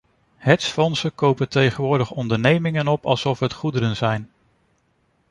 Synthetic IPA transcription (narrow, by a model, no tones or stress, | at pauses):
hɛtsfɔnsəkowpəntejχənʋʊːɹdəχɔndəɹnejmɪŋənɔpɑ̰lˠsɔfɦətχudəɾənzɛjn